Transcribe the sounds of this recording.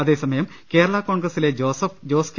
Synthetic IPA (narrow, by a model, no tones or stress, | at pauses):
ɐðe̞ːsɐmɐjɐm | ke̞ːɾɐɭɐko̞ːɳɡrɐsile̞d͡ʑosɐfd͡ʑo̞ːsk